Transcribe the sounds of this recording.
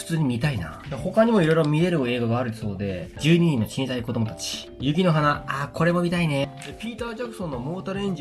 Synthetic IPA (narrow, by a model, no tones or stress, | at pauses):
ɯ̥t͡sɨːɲ̟imʲit̪aina̰d̪eho̞kaɲ̟imo̞iɾo̞iɾo̞mʲiɾe̞ɾɯ̟e̞ːɡaɡaːɾɯ̟so̞ːd̪e̞d͡ʑɨːɲ̟iɲ̟ĩnːo̞ɕĩnsaiko̞d̪o̞mot̪at͡ɕi̥ | jɯ̟ɡʲino̞ɦanaako̞ɾe̞mo̞mʲit̪aine̞d̪epʲiːt̪aːd͡ʑakɯ̟̥sõ̞nːo̞mo̞ːt̪aɾɯ̟ẽ̞ɲ̟d͡ʑ